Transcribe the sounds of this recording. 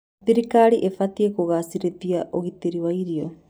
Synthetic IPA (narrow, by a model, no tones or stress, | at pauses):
t̪iɾikaːɾiʔefat̪iekoɣasiɾet̪iaʔoɣit̪iɾiβajɾio